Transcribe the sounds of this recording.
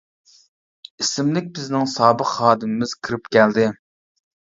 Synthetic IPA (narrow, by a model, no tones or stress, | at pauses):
isɪmlɪk̚ʲbɪznɪŋsɑːbəqhɑːd̪ɨmɪmɪz̥kʰɨɾɨpkʲʰɛld̪ɪ